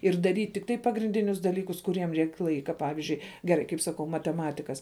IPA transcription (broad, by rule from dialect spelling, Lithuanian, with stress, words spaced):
ɪr dɐˈrʲiːtʲ tʲɪkˈtɐɪ pɐɡrʲɪnʲˈdʲɪnʲʊs dɐˈlʲiːkʊs kʊˈrʲiɛm ˈrʲɛɪkʲ ˈlˠɐɪkɐ ˈpɑːʋʲɪzʲd͡ʒʲʊɪ ɡʲɛˈrɐɪ kɐɪp sɐˈkɐʊ mɐtʲɛˈmɑːtʲɪkɐs